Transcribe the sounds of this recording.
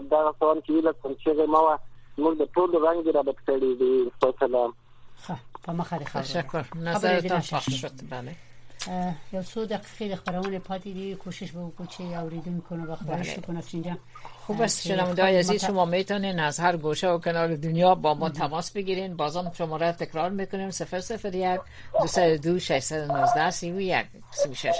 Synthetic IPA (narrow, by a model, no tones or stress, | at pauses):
d̪aɣasawant͡ʃewilak̚kant͡ʃeɣemawamuɡd̪əʈoloɾaŋɡeɾɑbɪt̪kəɽid̪iɾfasalam | xapəməxad̪əxaʃakːʊɾnazaɾɪd̪ɔmʃpaʃʃod̪bale | jawsod̪aqi̥qed̪əxpaɾawənepɑt̪ed̪ikʰoʃɪʃbawəkut͡ʃeawɾed̪unkonabaxbaalḛukonasind͡ʒa | xubast̪ʃɪnawɪnd̪ɔjeazizʃʊmɔmet̪ɔnenazhaɾɡoʃaʊkɪnɒlɪd̪ʊnjɒbɔmɔt̪ʰamɔsbɪɡiɾenbɒzɒmʃʊmɔɾat̪ɪkɾɒɾmekʊnemsɪfɾsɪfɾjak | d̪usad̪ʊd̪uʃaʃsad̪ʊnʊzd̪asiwja̰k̚ | siwʊʃeʃ